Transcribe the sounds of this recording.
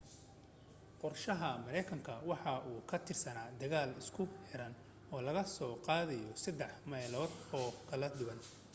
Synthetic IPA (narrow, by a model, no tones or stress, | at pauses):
qɔrʃɐɦɐmɐɾɛjkʰɐŋkʰɐwɑħɑʔuːkʰɐt̪ʰɪrsɐnaːd̪ɐɣaːlɪskʰʊħɛɾɐn | ɔːlɐɣɐsɔːqɑːðɐjɔsɐd̪ːɛħmɐjlɔːd̪ɔːkʰɐlɐd̪ʊɣɐn